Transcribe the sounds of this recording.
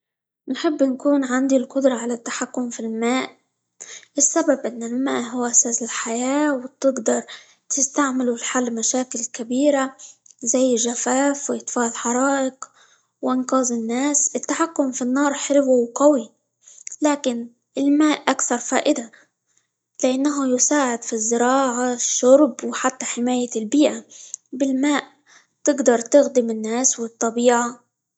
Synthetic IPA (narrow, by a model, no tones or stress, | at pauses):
nħɪbːnkuːnʕand̪ilqʊd̪ɾˤɑʕalat̪ːaħakːʊmfilmaːʔ | ɪsːababʔɪnːɪlmaːʔɦʊwːʔasaːsɪlħajaːwt̪ɪɡd̪ɑɾˤ | t̪ɪst̪aʕmɪlulħalːmaʃaːkɪlkabiːɾazajːʒafaːfwɪʔɪt̪faːlħɑɾˤɑːʔɪq | wʔɪnqɑːzɪnːaːsɪt̪ːaħakːʊmfinːɑːɾˤħɪɾbuwqawi | laːkɪn | ɪlmaːʔʔːakθɑɾˤfa̰ːʔɪd̪a | lɪʔanːaɦajʊsaːʕɪd̪fizːɪɾɑːʕaʃːʊɾˤbwħat̪ːaħɪmaːjalbiːʔabɪlmaːʔ | t̪ɪɡd̪ɑɾˤt̪ɪɣd̪ɪmɪnːaːswɪt̪ˤːɑbiːʕa